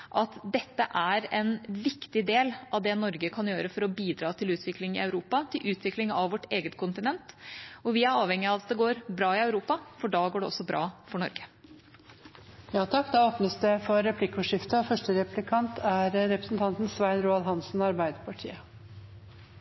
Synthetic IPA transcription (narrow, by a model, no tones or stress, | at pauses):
ʔɑt̪d̪ɛt̪ːəʔæɾɛnʋɪkt̪ɪd̪eːlʔɑʋd̪ɛnɔɾɡəkʰɑnjøːɾəfɔɾɔbiːd̪ɾɑːt̪ʰɪlʉːt̪ʰʋɪklɪŋɪ̰æʉɾuːpɑt̪ʰɪlʔʉːt̪ʰʋɪklɪŋɑʋʋɔʈːeːɡət̪kʰʊnt̪ɪnɛnt̪ɔʋɪæɾɑːʋhɛŋːɪɑʋɑt̪̚d̪ɛɡoːɾbɾɑːɪœʉɾuːpɑfɔɖɑːɡoːɖɛɔ̰sːɔbɾɑ̰ːfɔɳɔɾɡə̥ | jɑːt̪ʰɑkːd̪ɑoːpnəsd̪ɛfɔɾɛpʰlɪkːʊʂɪft̪əfœʂʈəɾɛpʰlɪkʰɑnt̪ʰæɾɾɛpɾəsn̩t̪ʰɑnt̪n̩sʋæɪnɾuːɑlɦɑnsn̩ɔɑɾbæɪd̪əpʰɑʈʰḭːə